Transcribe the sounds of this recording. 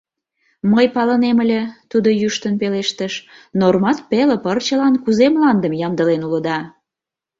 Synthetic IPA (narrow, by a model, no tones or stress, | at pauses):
məjpɑləneməlʲet̪ud̪ojyʃt̪ənpeleʃt̪əʃnormɑt̪̚peləpərt͡ɕəlɑnkuzemlɑnd̪əmjɑmd̪əlenulə̆d̪ɑ